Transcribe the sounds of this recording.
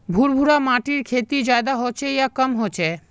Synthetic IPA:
bʱuɾbʱuɾamaʈiɾkʰet̪id͡ʑaed̪aɦot͡ɕʰejakəmɦot͡ɕʰe

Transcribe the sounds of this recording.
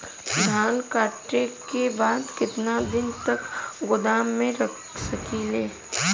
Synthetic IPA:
d̪ʱaːnkaːʈɾekebaːd̪kɪt̪nad̪ɪnt̪ɐkɡʊd̪aːmːẽɾɐkʰ | sɐkileː

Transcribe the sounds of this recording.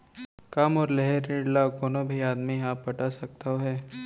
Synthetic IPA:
kamɔːɾlɛɦɛɾeːɖlakoːnobʱiaːd̪miaːpːɐʈasɐk̚t̪aoɦɛː

